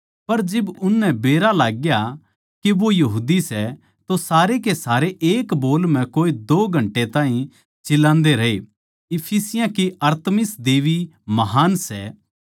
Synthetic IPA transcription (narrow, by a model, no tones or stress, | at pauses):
pɐɾd͡ʒɪbʊnːɛbeːɾalaːɡja | keʋojɐɦuːd̪isɛ | t̪osaːɾekesaːɾeʔeːkboːlm̤ɛ̃koːed̪oːɡʱɐ̃ɳʈet̪ãːɦĩ | t͡ʃɪlãːnd̪eɾɐɦḛ | ɪpʰisɪjãkeɐɾt̪mɪsd̪eːʋi | mɐɦaːnsɛ̰